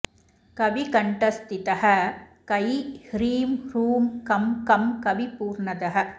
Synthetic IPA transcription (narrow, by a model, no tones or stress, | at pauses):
kɐʋikɐɳʈɐst̪ɪt̪ɐɦɐkɐjhɾiːmɾuːmkɐmkɐmkɐʋipuːɾɳɐðɐɦɐ